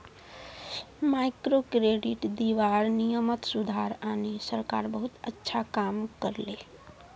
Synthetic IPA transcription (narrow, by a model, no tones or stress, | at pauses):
majkɾokɾeɖiʈd̪iʋaɾnijəmət̪sud̪ʱaɾanesəɾkaɾbəɦut̪ətːʃʰakamkəɾle